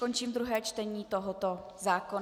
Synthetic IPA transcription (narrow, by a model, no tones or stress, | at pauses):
ont͡ʃiːmd̪ɾuɦɛːt͡ʃt̪ɛɲiːt̪oɦot̪o | zaːko